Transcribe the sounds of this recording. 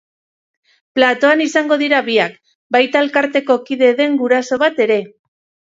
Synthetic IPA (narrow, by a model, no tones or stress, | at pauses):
plat̪o̞anisaŋɡo̞ðiɾaβiak | bajt̪alkaɾt̪e̞ko̞kiðe̞ðe̞ŋɡuɾaso̞βat̪e̞ɾe̞